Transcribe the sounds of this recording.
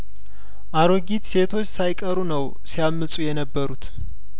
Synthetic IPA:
ʔaɾoɡit̪se̞t̪ʰo̞t͡ʃːsajkʼəɾunəw | sijamːɨsʼujɛnəbːəɾut̪

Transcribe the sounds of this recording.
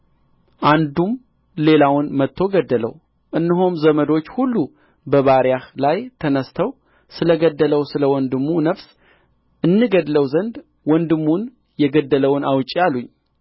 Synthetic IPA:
ʔand̪um | le̞lawʊnmət̪ʰːo̞ɡəd̪ːələ̰w | ʔɨnːɨɦomzəməd̪o̞t͡ʃːhulːu | bəβaɾjahlajt̪ʰənəst̪ʰəw | sɨləɡəd̪ːələwsɨləwɔnd̪ɨmːunəfs | ʔɨnːɨɡəd̪ləwzənd̪ | wɔnd̪ɨmːun | jɛɡəd̪ːələwnawt͡ʃʼijaluɲː

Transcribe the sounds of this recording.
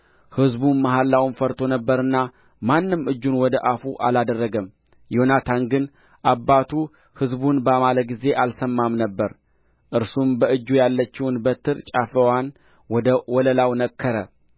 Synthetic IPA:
hɨzbunmaɦalːawnfəɾt̪ʰo̞nəbːəɾɨnːa | manːɨmɨd͡ʒːunwɔd̪əʔafuʔa̰lad̪ərːəɡəm | jo̞nat̪ʰanɡɨn | ʔabːat̪ʰu | hɨzbunbəamaləɡize̞ʔalsəmːamnəbːəɾ | ʔɨɾsumbəʔɨd͡ʒːujalːət͡ʃːɪwnbət̪ʰɨɾt͡ʃʼafəwan | wɔd̪əwɔləlawnəkʰːəɾə

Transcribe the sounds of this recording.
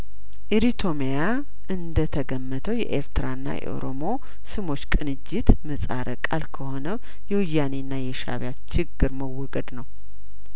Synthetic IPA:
ʔiɾit̪ʰo̞meja | ʔɨnd̪ət̪ʰəɡəmːət̪ʰəwjɛ̰ʔḛɾt̪ʰɨɾaɨnːa̰jɛ̰ʔo̰ɾomo̞ | sɨmo̞t͡ʃːkʼɨnɨd͡ʒːɪt̪mɨsʼaɾʔəkʼalkʰəho̞nəw | jɛwɨjːanenːajɛʃa̰βjat͡ʃɪɡːɨɾməwːɔɡəd̪nəw

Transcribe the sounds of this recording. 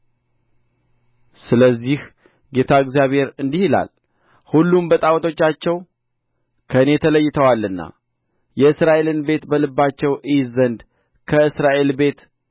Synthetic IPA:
sɨləzːih | ɡe̞t̪ʰaɨɡzijaβhe̞ɾɨnd̪ihila̰l | hulːumbət̪ʼawt̪ʰo̞t͡ʃːat͡ʃːɛw | kʰəɨne̞t̪ʰələjːɪt̪ʰəwalːɨnːa̰ | jɛɨsɾaʔe̞lɨnbe̞t̪bəlɨbːat͡ʃːɛwʔɨjzənd̪ | kʰəɨsɾaʔe̞lbe̞t̪

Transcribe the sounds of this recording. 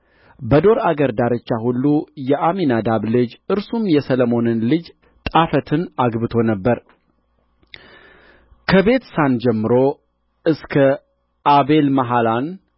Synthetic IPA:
bəd̪o̞ɾaɡəɾd̪aɾɨt͡ʃːahulːujɛʔaminad̪aβlɨd͡ʒɨɾsumjɛsələmo̞nɨnlɨd͡ʒ | t̪ʼafət̪ʰɨnaɡbɨt̪ʰo̞nəbːəɾ | kʰəβe̞t̪sand͡ʒɛmːɨɾo̞ | ɨskʰə | ʔaβe̞lmaɦalan

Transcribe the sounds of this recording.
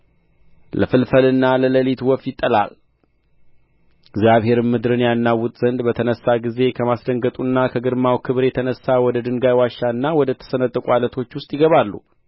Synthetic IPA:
lə̰fɨlfəlɨnːalələlit̪wɔfjɪt̪ʼːəla̰l | ɪɡzjaβhe̞ɾmɨd̪ɾɨnjanːawːʊt̪ʼzənd̪bət̪ʰənəsːaɡize̞kʰəmasd̪əŋɡət̪ʼunːakʰəɡɨɾmawkʰɨβɾjɛt̪ʰənəsːawɔd̪əd̪ɨŋɡajwaʃːaɨnːawɔd̪ət̪ʰə̥sənət̪ʼːəkʼualət̪ʰo̞t͡ʃːwʊst̪ʼjɪɡəβalːṵ

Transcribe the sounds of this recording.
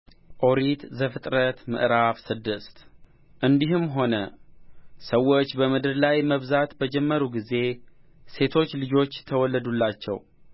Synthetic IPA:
ʔo̞ɾit̪zəfɨt̪ʼɾət̪mɨ̰ʔɾafsɨd̪ɨst̪ | ʔɨnd̪iɦɨmɦo̞nə | səwːo̞t͡ʃːbəmɨd̪ɨɾlajməβzat̪bəd͡ʒɛmːəɾuɡize̞ | se̞t̪ʰo̞t͡ʃːlɨd͡ʒo̞t͡ʃːt̪ʰəwɔlːəd̪ulːat͡ʃːɛ̰w

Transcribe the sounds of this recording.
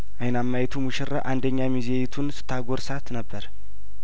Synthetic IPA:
ʔajnamːajɛt̪ʰumuʃɪra̰ʔand̪əɲːamizejɛt̪ʰunsɨ̥t̪ʰːaɡoɾsat̪nəbːəɾ

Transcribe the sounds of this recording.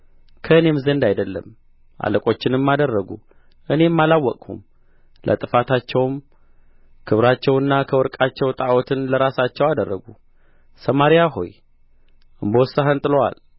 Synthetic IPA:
kʰəɨne̞mzənd̪ajd̪əlːə̰m | ʔa̰ləkʼo̞t͡ʃːɪnɨmːad̪ərːəɡṵ | ʔɨne̞mːalawːɔkʼhṵm | lʔə̰t̪ʼɨfat̪ʰat͡ʃːɛwm | kʰɨβɾat͡ʃːɛwɨnːakʰəwɔɾkʼat͡ʃːɛwt̪ʼawɔt̪ʰɨnləɾasat͡ʃːɛwad̪ərːəɡu | səmaɾijaɦo̞̰j | ʔɨmbowsːəɦənt̪ʼɨlwa̰l

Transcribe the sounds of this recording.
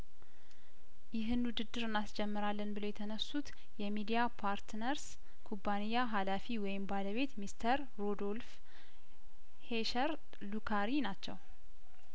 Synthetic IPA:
jɪɦɨnwʊd̪ɨd̪ːɨɾɨnːasd͡ʒɛmːɨɾalːənbɨlo̞jɛt̪ʰənəsːut̪ | jɛmid̪ijapʰaɾt̪nəɾs | kʰubːanijaɦalafiwɔjɪmbaləβe̞t̪mist̪ʰəɾːod̪o̞lf | heʃəɾ | lukʰaɾinat͡ʃːɛ̰w

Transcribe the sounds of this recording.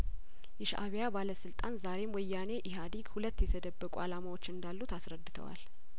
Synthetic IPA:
jɛʃʔa̰βjabaləsɨlt̪ʼanzaɾe̞mwɔjːane̞ʔɪɦad̪iɡhulət̪ːjɛt̪ʰəd̪əbːəkʼṵalamawo̞t͡ʃːɨnd̪alːut̪asɾəd̪ːɨt̪ʰə̰wa̰l

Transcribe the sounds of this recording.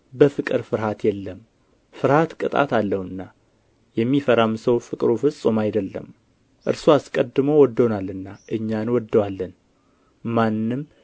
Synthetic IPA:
bəfɨkʼɨɾfɨɾhat̪jɛlːəm | fɨɾhat̪kʼɨt̪ʼa̰t̪ʰalːəhɨnːa | jɛmːifəɾamsəwfɨkʼɾofɨsʼomajd̪əlːə̰m | ʔɨ̰ɾsoaskʼəd̪ːɨmo̞wɔd̪ːo̞nalːɨnːaʔɨɲːanwɔd̪ːəwalːən | manːɨm

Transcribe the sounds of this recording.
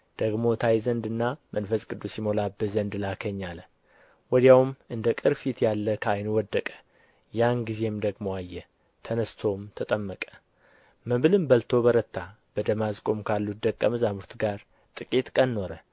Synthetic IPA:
d̪̥əɡmo̞t̪ʰajzənd̪ɨnːamənfəskʼɨd̪ːusjimo̞labɨzənd̪lakʰəɲːal | wɔd̪jawmʔɨnd̪əkʼɨɾfit̪jalːəkʰajnwɔd̪ːəkʼə̥ | janɡize̞md̪əɡmo̞ajːɛ | t̪ʰənəst̪ʰo̞mt̪ʰət̪ʼəmːəkʼə̥ | məβɨlɨmbəlt̪ʰo̞bəɾət̪ʰːa | b̥əd̪əmazkʼo̞mkʰalːut̪̚d̪əkʼːəməzamuɾt̪ɡaɾ | t̪ʼɨkʼit̪kʼənːo̞ɾə

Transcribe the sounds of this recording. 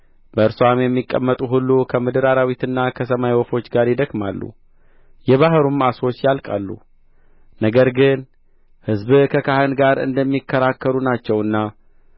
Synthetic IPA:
b̥əɨɾsamjɛmːikʼːə̰mːət̪ʼuɦulːukʰəmɨd̪ɨɾaɾawit̪ɨnːakʰəs̬əmajwɔfo̞t͡ʃːɡaɾjɪd̪əkmalːṵ | jɛβaɦɾumaso̞t͡ʃːjalkʼa̰lːṵ | nəɡəɾɡɨn | hɨzbkʰəkʰahənɡaɾɨ̰nd̪əmːikʰːəɾakːəɾunat͡ʃːɛwɨnːa

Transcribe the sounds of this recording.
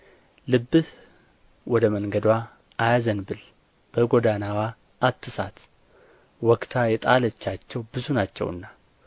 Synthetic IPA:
lɨbːɨh | wɔd̪əməŋɡəd̪wa | ʔajazənbɨl | b̥əɡod̪anawaː | t̪ːɨsa̰t̪ | wɔkt̪ʰajɛt̪ʼalət͡ʃːat͡ʃːɛwbɨzunat͡ʃːɛ̰wɨ̰nːa

